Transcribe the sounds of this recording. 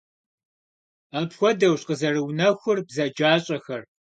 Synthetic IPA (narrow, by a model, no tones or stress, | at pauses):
aːpxʷɔdɐwɕʼqəzɐrɨwnɐxʷʊrbzɐd͡ʒaːɕʼɐxɐr